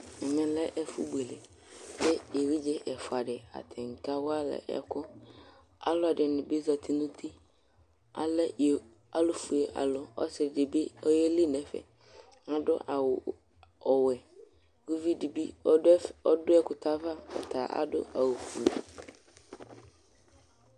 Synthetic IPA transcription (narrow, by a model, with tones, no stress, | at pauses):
mɪ̃˨lɛ˦ʔɛ˦fṵ˦bu˨e˨le˨ | sɛ˦je˨wi˦d͡ʒɛ˦ʔɛ˨fʊ˨a˨dɪ˨a̰˨t̪ʰɪ˨ŋ̩˨ka˦wɔ˦a˦lɛ̰˨ʔɛ̰˨kʰʊ˦ | a̰˦lʊ˦a˨dɪ˨nʊ̃˨be˦za˨t̪ʰi˦nʊ̃˦t̪ʰi˦ | a̰˨lɛ˦j | a˨lʊ˨fu˨e˨ʔa̰˨lʊ˨ɔ̰˦sɪ˨ɪ˨dɪ˨bi˦ɔ˦jɛ˦li˦nɛ̃˨˦fɛ̰˨ | a˨dʊ̰˦ʔa˨wʊ˨ | ɔ˨wɛ˨ | ɡ̥u˦vi˦di˨bi˦ɔ˦dʊ˦ɛ˦kʊ˨tʰa˦va˦ɔ̰˨t̪ʰaː˨ʔa̰˦dʊ̰˦a˨wʊ˨fu˨ḛ˨